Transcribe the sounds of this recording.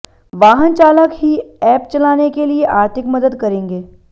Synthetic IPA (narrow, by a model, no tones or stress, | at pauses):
ʋaːɦənt͡ʃaːləkɦiɛːpt͡ʃɐlaːnekelieʔaːɾt̪ʰɪkmɐd̪əd̪kɐɾẽːŋɡeː